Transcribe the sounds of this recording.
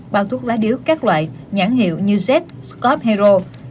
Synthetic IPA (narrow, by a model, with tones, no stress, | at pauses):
ɓaː˧wt̪ʰu˦˥t̚laː˨˦ɗi˨˧˦əwkaː˦˥k̚lwa̰ː˧˨j | ɲaː˧˩ŋhḭ˧˨əwɲɨ˧zɛ˦˥t̚skɔ˦˥p̚hɛ˧zo˧